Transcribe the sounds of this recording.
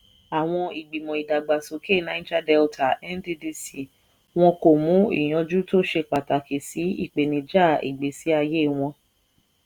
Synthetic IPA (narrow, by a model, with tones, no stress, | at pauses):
a˨w̃ɔ̃˧i˨ɡ͡bi˨mɔ̃˨i˨da˨ɡ͡ba˨so˨ke˦˨nã˦ĩ˦d͡ʒa˦dɛ˧lta˨ɛ˦n˦di˦di˧˦si˦˨ | w̃ɔ̃˧ko˨mũ˨˦ḭ˦˨j̃ɔ̃˧d͡ʒu˦to˦ʃe˧k͡pa˨ta˨ke˨si˨˦ḭ˦˨k͡pe˨nĩ˧d͡ʒa˦˨ḭ˨ɡ͡be˨si˨˦a˧je˦˨w̃ɔ̃˧